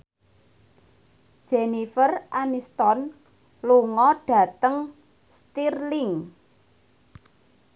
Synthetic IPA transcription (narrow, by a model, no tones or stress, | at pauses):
ʒ̥enifərʔanist̪ɔn | luŋɔɖ̥ä̤t̪əŋ | st̪irlɪŋ